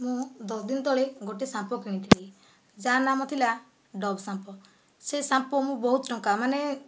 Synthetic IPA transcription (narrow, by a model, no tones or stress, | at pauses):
mũd̪ɔsd̪int̪ɔɭeɡoʈesãmpɔkĩĩt̪ʰibei | d͡ʒanamɔt̪ʰila | ɖɔbsãmpɔ | sesãmpɔmũbɔɦut̪ʈɔ̃ŋkamane